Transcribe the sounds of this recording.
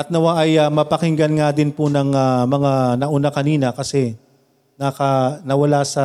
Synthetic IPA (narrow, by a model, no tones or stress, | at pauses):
ʔɐt̪̚nɐwaʔɐjamɐpɐkɪŋɡɐnŋad̪ɪnpʊnɐŋamɐŋanɐʔʊnakɐniːnɐkɐsɛ | nɐkɐnɐwɐlasɐ